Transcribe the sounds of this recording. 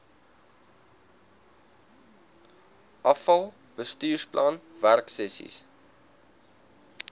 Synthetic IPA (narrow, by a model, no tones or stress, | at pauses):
ʔɐfɐlˠ | b̥əstyːrsplʔɐnværksɛsḭs